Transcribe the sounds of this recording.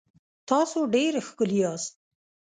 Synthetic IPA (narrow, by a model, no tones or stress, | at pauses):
t̪ɑsoɖeɾxkʊlijɑst̪̚